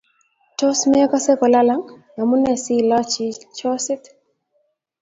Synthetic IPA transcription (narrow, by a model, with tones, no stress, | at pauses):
tɔ˦smɛ˦ɔ˦ka˦sɛ˦kɔ˨la˦la˨ŋna˨mu˦nɛ˨si˦la˦t͡ʃi˦t͡ʃɔ˦sɪ˦t̪